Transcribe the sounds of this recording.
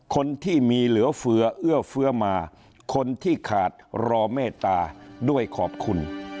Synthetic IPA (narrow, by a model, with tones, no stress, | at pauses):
kʰo˧nt̪ʰiː˥˩miː˧lɯ˩˦ɐfɯ˧˥ɐʔɯ˥˩ɐfɯ˧˥ɐmaː˧ | kʰo˧nt̪ʰiː˥˩kʰaː˨˩t̪̚ɾɔː˧meː˥˩t̪ːaː˧du˥˩əjkʰɔː˨˩p̚kʰu˧n